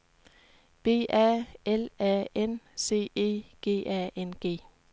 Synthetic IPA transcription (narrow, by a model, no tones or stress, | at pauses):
b̥e̝̰ːʔæelæːense̝̰ːe̝̰ːɡ̥e̝̰ːʔæenɡ̥e̝̰ː